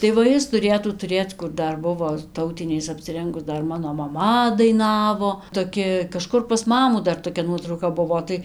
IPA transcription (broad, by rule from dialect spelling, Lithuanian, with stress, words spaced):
tɐɪ ʋɐ ˈjɪs tʊˈrʲeːtuː tʊˈrʲeːt͡s kʊr ˈdɐr ˈbʊʋoː ˈtɐʊtʲɪnʲɛɪs ɐpʲsʲɪˈrʲɛŋɡʊs ˈdɐr ˈmɑːnoː mɐˈmɐ dɐɪˈnɑːʋoː toːˈkʲɪ kɐˈʃkʊr pɐs ˈmɑːmuː dɐr toːˈkʲɛ ˈnuɔtrɐʊkɐ ˈbʊʋoː tɐɪ